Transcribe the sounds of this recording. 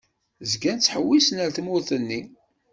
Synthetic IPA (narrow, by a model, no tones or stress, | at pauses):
zɡænt͡sːħəwːisnəlθmʊɾθənːi